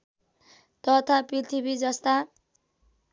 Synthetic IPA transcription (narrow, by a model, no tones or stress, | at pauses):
t̪ʌt̪ʰaprit̪ʰibid͡zʌst̪a